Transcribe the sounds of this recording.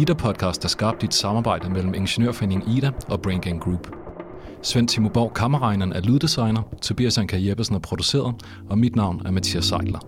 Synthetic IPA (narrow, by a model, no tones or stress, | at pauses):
iːd̥æpʰɒ̽d̥̚kʰɑ̈ːsd̥æɐsɡ̥ɑ̈b̥̚d̥ied̥sɑ̈mɑːb̥ɑ̈ɪ̰d̥əmel̰m̩e̝nɕenøɐ̰fene̝ŋiːd̥æʔɒ̽b̥ʁenɡ̥eŋɡ̥ʁuːb̥ | sʋen̰t͡sʰimob̥ɑʊ̰kʰɑ̈məʁɑ̈ɪnɐn̩æɐluðˠd̥isɑ̈ɪnɐt͡sʰobḭæsænkʰæjeb̥ɐsn̩æpʰʁo̝d̥use̝̰ːɐðˠ | ɒ̽mid̥nɑ̈ʊ̰næɐmæt͡sʰiæsɑ̈ɪd̥lɐ